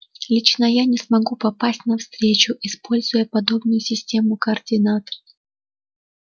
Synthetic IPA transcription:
lʲit͡ɕnəjanʲɪsmɐɡupɐpasʲtʲnɐfst̪ɾʲet͡ɕʊʔɪspo̞lʲzʊjəpɐd̪o̞bnʊjʊsʲɪsʲtʲe̞mʊkəːrdʲɪnat̪ə̥

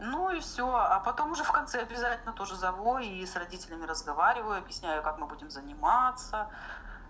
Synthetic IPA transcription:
nuifsʲoɐpɐt̪o̞mʊʐɛfkɐnt̪sɛɐbʲɪzatʲɪlʲnət̪o̞ʐɨzɐvoisrɐdʲitʲɪlʲɪmʲɪɾəzɡɐvaɾʲɪvəjʊɐbjɪsʲnʲæjʊkakmɨbudʲɪmzənʲɪmat̪sə

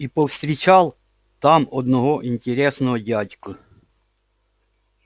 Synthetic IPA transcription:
ipɔfst̪ɾʲɪt͡ɕalˠ | t̪amɔd̪nɔɦɔʔinʲtʲɪɾʲesnɔɦɔdʲadʲkə

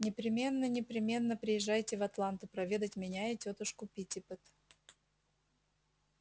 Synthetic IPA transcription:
nʲɪpɾʲɪmʲe̞nːənʲɪpɾʲɪmʲe̞nːəpɾʲɪjɪʐːajtʲɪvɐt̪lˠant̪ʊpɾɐvʲe̞d̪ətʲmʲɪnʲaɪtʲot̪əʂkʊpʲitʲɪpɨt̪

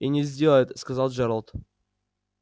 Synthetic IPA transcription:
inʲɪzʲdʲelˠəjɪt̪skɐzalˠd͡ʒɛɾəlˠt̪

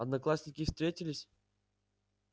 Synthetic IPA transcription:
ɐd̪nɐklˠasʲnʲɪkʲɪfst̪ɾʲetʲɪlʲɪsʲ

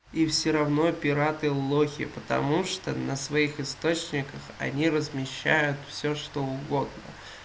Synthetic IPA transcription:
ifsʲɪɾɐvno̞pʲɪɾat̪ɨlˠoxʲɪ̰pət̪ɐ̰muʂt̪onəsvɐixɨst̪o̞t͡ɕnʲɪkəxɐ̰nʲirəzmʲɪɕːæ̰jʊt̪fsʲoʂt̪oʊɡo̞d̪nə̰

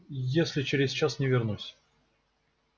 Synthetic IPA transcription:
jesʲlʲɪt͡ɕɪɾʲɪzt͡ɕasnʲɪvʲɪrnusʲ

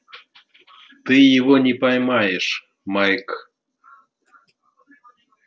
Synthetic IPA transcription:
t̪ɨjeβonʲipajmajeʂ | majk

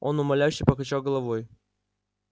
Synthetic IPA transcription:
o̞nʊmɐlʲæjɕːɪjpəkat͡ɕalˠɡəlˠɐvoj

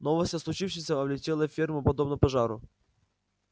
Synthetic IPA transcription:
novəsʲtʲɐslˠʊt͡ɕifʂɪsʲəɐvlʲɪtʲelˠəfʲirmʊpɐd̪obnəpɐʐaɾʊ̰

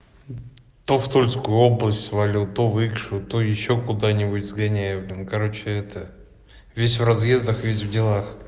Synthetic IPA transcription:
t̪oft̪olʲskʊjʊoblˠəsʲtʲsvɐlʲut̪ovɨkʂɨt̪ojɪɕːokʊd̪anʲɪbʊtʲzɡɐnʲæjɪvlʲɪnkɐɾo̞t͡ɕɪɛt̪ə | vʲesʲvrɐzjezd̪əxvʲesʲvdʲɪlˠax

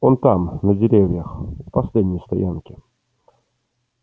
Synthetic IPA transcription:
ont̪amnədʲɪɾʲevʲjəxpɐslʲed̪ʲnʲɪjst̪ɐ̰jankʲɪ

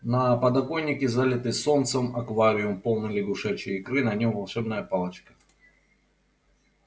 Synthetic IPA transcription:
nɐpɐd̪ɐko̞nʲːɪkʲɪzalʲɪt̪ɨso̞nt̪səmɐkvaɾʲɪʊmpo̞lˠnɨlʲɪɡʊʂɛt͡ɕɪɪkɾɨnɐnʲomvɐlˠʂɛbnəjəpalˠət͡ɕkə̥

